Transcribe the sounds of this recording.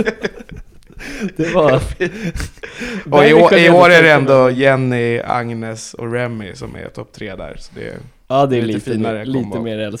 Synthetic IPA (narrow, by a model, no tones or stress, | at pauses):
d̪̥ɛva | ɔɪoːɪoːɾæɾɛɛnd̪ɔjɛnːɪa̰ŋnɛsɔ̰ɾɛmːɪsɔmæ̰ɾt̪ʰɔp̚ːt̪ʰɾeːd̪æ̰ːɾsɔ̥d̪ɛ̰ | ɑːd̪ɛliiːnaɾəliːməmeːɾɛl